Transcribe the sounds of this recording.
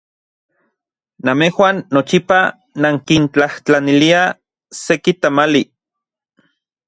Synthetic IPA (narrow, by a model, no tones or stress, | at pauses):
namehwanːot͡ʃipa | naŋkint͡ɬaht͡ɬanilia | sekit̪amali